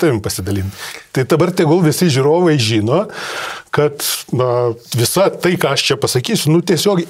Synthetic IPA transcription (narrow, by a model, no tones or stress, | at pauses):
t̪ɐʋʲɪmpɐsʲɪd̪ɐlʲint̪ʲt̪ɐɪd̪ɐbɐrt̪ʲɛɡoːlˠʋʲɪsʲɪʒʲʊɾoːʋɐɪʒʲiːnoːkɐt̪nɐʋʲɪsɐt̪ɐɪkɑːɐʃt͡ʃʲɛpɐsɐkʲiːsʲʊnʊt̪ʲiɛsʲoːk